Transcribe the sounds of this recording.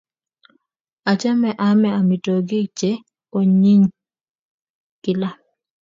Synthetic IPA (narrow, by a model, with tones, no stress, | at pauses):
a˨t͡ʃa˦mɛ˦˨ʔa˨mɛ˦a˨mɪ˨to˨ɡɪ˦t͡ʃe˦ | o˨ɲi˦ŋ | kɪ˨la˦